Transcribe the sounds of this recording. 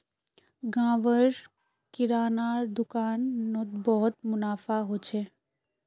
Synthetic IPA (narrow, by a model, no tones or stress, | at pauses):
ɡãːʋəɾ | kɪɾaːnaːɾd̪ʊkaːnːot̪bɔɦt̪mʊnaːfaɦot͡ʃʰeː